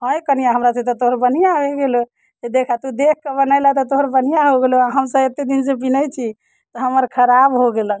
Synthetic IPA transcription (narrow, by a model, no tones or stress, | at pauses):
ɦə̃jkənijaɦəmɾasẽt̪ɔt̪oɦɾbən̤ijaeɡelo | d͡ʒed̪ekʰat̪ud̪ek̚ʰkebənaɪlət̪ɔt̪oɦɾbənijaɦoɡeloaɦəmsəet̪ed̪insepinəjt͡ʃʰi | t̪ɔɦəməɾkʰəɾabɦoɡelə